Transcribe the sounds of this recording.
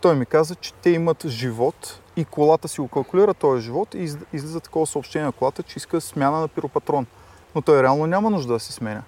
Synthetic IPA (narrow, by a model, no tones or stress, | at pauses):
t̪ɔjmikazət͡ʃɛ̥t̪ɛimət̪ʒivɔt̪ | ikolˠat̪əsiɡokɐlˠkʊliɾət̪ɔjəʒivɔt̪iizlɛzət̪ɐ̥kɔvəsɐopʃt̪ɛnʲjɛnɐkolˠat̪ət͡ʃɛiskəsmʲjanənɐpiɾopɐt̪ɾɔn | not̪ɔjɾɛalˠnonʲamɐnuʒd̪əd̪ɐsi̥smɛnʲə